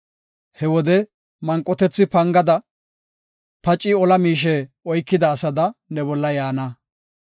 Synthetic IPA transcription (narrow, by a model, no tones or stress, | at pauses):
hɛwɔd̪ɛ | mɐŋkʼːɔt̪ɛt͡sːɪpɐŋɡɐd̪ɐ | pɐt͡ʃʼːɪɔlɐmiːʃ̬ɛ | ɔjkːɪd̪ɐːsɐd̪ɐnɛbɔlːɐjaːnɐ